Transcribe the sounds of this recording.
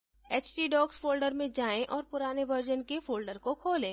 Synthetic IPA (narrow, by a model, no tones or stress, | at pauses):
eːt͡ʃʈiɖɔːksfoːlɖəɾmẽd͡ʒaːẽʔɔːɾpʊɾaːneʋəɾd͡ʒənkefoːlɖəɾkokʰoːlẽː